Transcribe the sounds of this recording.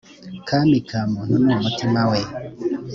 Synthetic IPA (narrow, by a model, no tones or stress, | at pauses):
kʰamikʰamɔnumuwamɔtʰimawɛ